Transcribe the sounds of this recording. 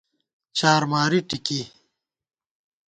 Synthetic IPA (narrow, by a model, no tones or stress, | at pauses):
t͡ɕaːɾmaːɾiʈiki